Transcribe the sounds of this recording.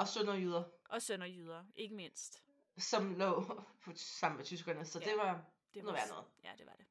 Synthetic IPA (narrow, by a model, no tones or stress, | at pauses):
ɒ̽sønɐjyðˠɐʔɒ̽sønɒjyð̞ˠɐʔe̝ɡ̥əme̝n̰sd̥ | sɒ̽mlɔ̰̽ːpʰɒ̽sɑ̈m̰n̩ʋet͡sʰys̬ɡ̥ʁɒnɐsɒ̽d̥e̝ʋɑ̥̈ | noʋæɐnɔ̽ːð̩ˠjæd̥e̝ʋɑ̈d̥e̝